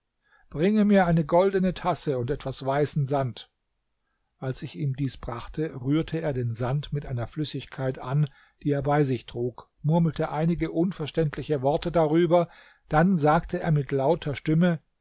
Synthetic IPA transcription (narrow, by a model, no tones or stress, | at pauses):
b̥ʁɪŋəmiːɐʔaɪnəɡɔldənətʰasəʊntʔɛtv̥asv̥aɪsn̩zant | ʔalsɪçiːmdiːsb̥ʁaχtʰəʁyːɐtʰəeːɐdeːnzantmɪtʔaɪnɐflʏsɪçkʰaɪtʔan | d̥iːeːɐbaɪzɪçtʁ̥uːk | mʊɐml̩tʰəʔaɪnɪɡəʔʊnfɛɐʃtɛntʰlɪçəvɔɐtədaʁyːbɐ | d̥anzaːktʰəḛːɐmɪtlaʊtʰɐʃtɪmə